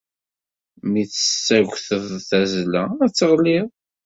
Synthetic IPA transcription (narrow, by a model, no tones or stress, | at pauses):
miθə̥sːæʝʷθəðθæzlææt͡sːəʁlið